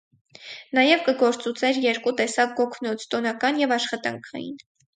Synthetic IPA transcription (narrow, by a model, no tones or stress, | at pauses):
nɑjɛvkəɡɔɾt͡sut͡sʰɛɾjɛɾkut̪ɛsɑk̚ɡɔkʰnɔt͡sʰt̪ɔnɑkɑnjɛvɑʃχɑt̪ɑ̰ŋkʰɑ̰jḭn